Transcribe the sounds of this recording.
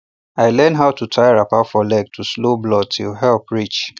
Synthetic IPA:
aɪlɛ̃nɦaʊtʰutʰajaɹapatfɔlɛɡ̚tʰusloblɔd̚tʰilɦɛlpʰɹit͡ʃ

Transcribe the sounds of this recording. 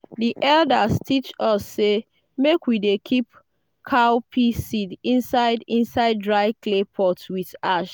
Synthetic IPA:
diʔɛldastʰit͡ʃɔsːe | mekwidekʰip̚ | kʰaʊpʰisidĩnsaɪdĩnsaɪd̚dɹaɪklepʰɔtwiðaʃ

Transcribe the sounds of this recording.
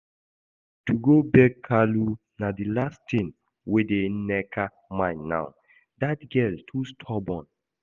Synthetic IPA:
tuɡobɛkʰːalu | nadilastĩn | wedenɛkʰa | mãɪnːa̰ʊ | datɡɛltʰustʰɔbɔ̃n

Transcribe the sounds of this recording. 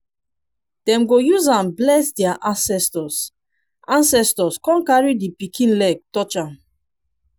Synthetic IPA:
d̥ɛ̃mɡojuzãnblɛsdɛaʔãnsɛstɔs | ʔãnsɛstɔskɔ̃nkaɹidipikʰĩnlɛɡ̚tɔt͡ʃãn

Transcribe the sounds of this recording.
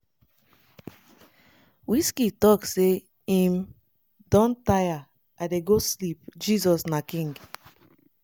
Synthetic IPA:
wiskitɔkse | ĩm | dɔ̃ntaja | adeɡoslip̚d͡ʒizɔsnakĩŋɡ

